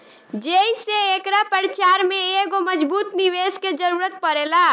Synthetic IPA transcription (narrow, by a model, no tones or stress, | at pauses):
d͡ʒeiseːkɾapəɾt͡ʃaɾmẽeɡoməd͡ʒbuːt̪niʋesked͡ʒəɾuːɾət̪̚pəɾela